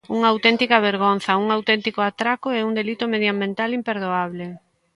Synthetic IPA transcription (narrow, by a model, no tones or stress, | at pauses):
uŋaːwt̪ɛnt̪ikɐβeɾɣ̞on̟θɐuŋawt̪ɛnt̪ikoat̪ɾakoɛuŋd̪elit̪ʊmeðjambẽnt̪alimpeɾðoaβ̞le